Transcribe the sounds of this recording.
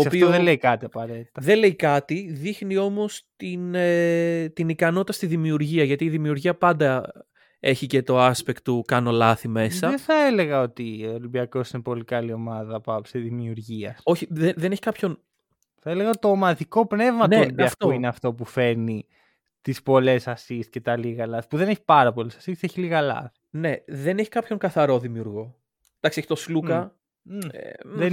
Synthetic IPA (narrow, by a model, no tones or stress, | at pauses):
oːsɐpiooðeleikɐt̪iɐpɐɾe̞t̪i̥t̪ɐðele̞ikɐt̪iðixnio̞mo̞st̪in | t̪inikɐno̞t̪t̪ɐst̪iðimiuɾʝiɐʝɐt̪iːðimiuɾʝiɐpɐnd̪ɐ | e̞çice̞t̪o̞ɐspekt̪ːukɐno̞lɐθime̞sɐðeθɐele̞ɣɐo̞t̪iolimbiɐko̞sinepo̞likɐlio̞mɐðɐpɐpseðimiuɾʝiɐo̞çiðeðeneçi̥kɐpço̞n | θɐele̞ɣɐot̪it̪o̞ːmɐðiko̞pne̞vmɐt̪onolimbiɐkoineɐft̪o̞p̬ufe̞ni | t̪ispo̞le̞sɐsist̪ce̞t̪ɐliɣɐlɐθi̥puðe̞neçi̥pɐɾɐpo̞lesɐsisteçiliɣɐlɐ̰θi̥ne̞ðeneçi̥kɐpço̞ŋkɐθɐɾo̞ðimiuɾɣo̞ | d̪ɐksieçi̥t̪oslukɐ | ðe